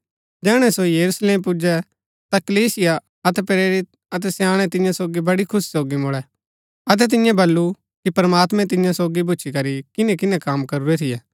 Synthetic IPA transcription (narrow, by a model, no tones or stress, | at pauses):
d͡ʒɛːɽ̃ɛsojɐɾusleːmpʊd͡ʒɛ | t̪ɐkɐliːsɪja | ɐt̪ɛpɾeːɾɪt̪̚ | ɐt̪̬ɛsjaːɽ̃ɛt̪ɪ̃jãsoːɡibɐɽikʰʊssoːɡimʊɭɛ | ɐt̪̬ɛt̪̬ɪ̃jãbɐlːu | kipɾmaːt̪mɛ̃t̪̬ɪ̃jãsoːɡibʊːt͡ʃʰikɐɾikɪnɛ̃kɪnɛ̃kaːmkɐɾuɾɛt̪ʰɪjɛ